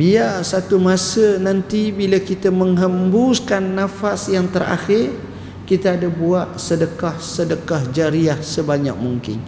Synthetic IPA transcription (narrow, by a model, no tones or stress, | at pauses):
biarsat̪umasənant̪ibilakit̪əməŋɦəmbuskanːãfasjaŋt̪əra̰xɪr | kit̪aːdabuaʔ̪sədəkahsədəkahd͡ʒaɾiahsəbaɲa̰k̚muŋkɪ̰n